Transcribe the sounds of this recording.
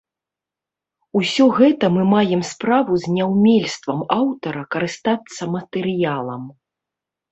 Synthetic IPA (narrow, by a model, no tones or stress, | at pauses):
usʲɔɣɛt̪ɐmɨmajɛmspɾavuzʲnʲawmʲɛlʲst̪vɐmawt̪ɐɾɐkɐɾɨst̪at̪sːɐmɐt̪ɛɾɨjalˠɐm